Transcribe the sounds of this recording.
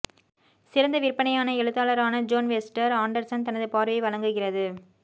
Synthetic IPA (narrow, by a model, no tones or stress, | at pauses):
sɪɾɐnd̪ɐʋɪɾpːɐɳɐjaːnɐɛɻɯt̪ːaːlɐɾaːnɐd͡ʒoːnʋɛsʈɐɾaːɳɖɐɾsɐnt̪ɐnɐðɯpaːɾʋɐɪʋɐɭɐŋɡɯɣɪrɐðɯ